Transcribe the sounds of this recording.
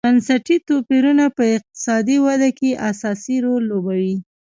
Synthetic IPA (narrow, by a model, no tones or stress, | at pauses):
bansaʈit̪opiɾunapəɪq̚t̪ɪ̥sɑd̪iwad̪akeʔasɑsiɾolːobawi